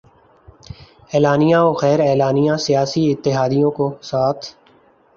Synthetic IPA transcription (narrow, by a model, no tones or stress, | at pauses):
ɛːlaːnijãːoːxɛːɾɛːlaːnijãsɪjaːsiɪt̪ːɪɦaːd̪ijõːkosaːt̪ʰ